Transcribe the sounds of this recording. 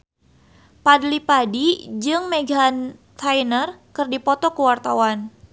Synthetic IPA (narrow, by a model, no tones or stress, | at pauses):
padlipadid͡ʒɨŋmeɡant̪ʰajnərkɨrdipɔt̪ɔkəwart̪awan